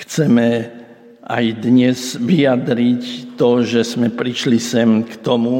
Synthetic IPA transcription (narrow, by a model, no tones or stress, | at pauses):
xt͡sɛmɛ | ʔa̰jd̪ɲɛzʋijad̪ɾict̪ɔʒɛzmɛpɾiʃlisɛmkt̪ɔmu